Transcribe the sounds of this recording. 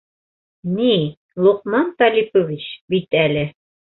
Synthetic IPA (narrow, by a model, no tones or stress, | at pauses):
ni | lˠuqmɑnt̪ɑlʲipovʲit͡ɕbit̪ælɘ